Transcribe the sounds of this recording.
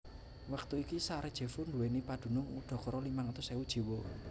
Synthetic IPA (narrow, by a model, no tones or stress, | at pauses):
wak̚t̪uikisaɾed̥ʒ̥e̤funduwenipad̪̥ṳnʊŋṵɖ̪̥ɔ̤kɔɾɔlimaŋat̪ʊseud̥ʒ̥i̤wo